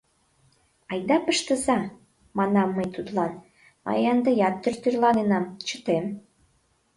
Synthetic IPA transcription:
ɑjd̪ɑpəʃt̪əzɑ | mɑnɑmːəjt̪ut̪lɑn | mɑ̰jɑnd̪əjɑt̪ːørt̪yrlɑnenɑmt͡ɕə̥t̪em

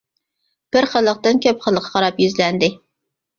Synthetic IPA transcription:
b̥ɪɾχəlˠːəq̚t̪ɨnkʲʰɛpχəlˠːəqʰːɑ̥qʰɑɾɑpjyzlɛnd̪ɪ

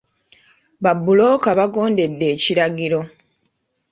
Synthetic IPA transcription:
βabːulo̞ːkaβaɡo̞ːnde̞dːe̞ːciɾaɡiɾo̞

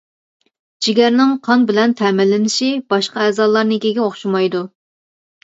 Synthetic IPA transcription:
d͡ʒiɡʲɛɾnɪŋqʰɑnbɪlɛnt̪ʰɛmɪlːɪnɪʃibɑʃqɑɛːzɑlˠːɑɾnɨkʲeɡʲɛoχʃumɑjd̪u

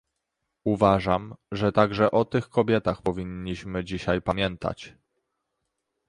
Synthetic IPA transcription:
uvaʐamʐɛt̪aɡʐɛʔɔt̪ɘxkɔbʲjɛt̪axpɔvʲiɲːiɕmɘd͡ʑiɕajpamʲjɛnt̪a̰t͡ɕ

